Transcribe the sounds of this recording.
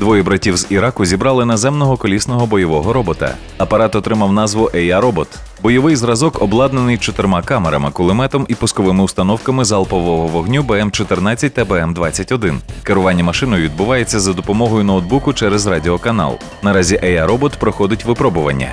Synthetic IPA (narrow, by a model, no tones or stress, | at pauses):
d̪ʋɔjɛbɾɐtʲiwziɾɑkʊzʲibɾɑlˠɪnɐzɛmnɔɦɔkɔlʲisnɔɦɔbɔjɔʋɔɦɔɾɔbɔt̪ɐ̰ | ɐpɐɾɑt̪ɔt̪ɾɪmɐwnɑzʋʊʔɛjaɾɔbɔt̪ | bɔjɔʋɪjzɾɐzɔkɔblˠɑd̪nenɪjt͡ʃɔt̪ɪɾmɑkɑmeɾɐ̰mɪkʊlˠɪmɛt̪ɔmipʊskɔʋɪmɪust̪ɐnɔwkɐmɪzɐlˠpɔʋɔɦɔʋɔɦnʲubɛɛmt͡ʃɔt̪ɪrnɑt͡sʲːɐt̚ʲt̪ɐbɛɛmd̪ʋɑt͡sʲːɐtʲɔd̪ɪnkeɾʊʋɑnʲːɐmɐʃɪnɔjʊʋʲid̪̚bʊʋɑjet͡sʲːɐzɐd̪ɔpɔmɔɦɔjʊnɐwd̪̚bukʊt͡ʃɛɾɛzrɑdʲɪɔkɐnɑ̰lˠ | nɐɾɑzʲiʔɛjaɾɔbɔt̪pɾɔxɔd̪ɪtʲʋɪpɾɔbʊʋɐ̰nʲːɐ̰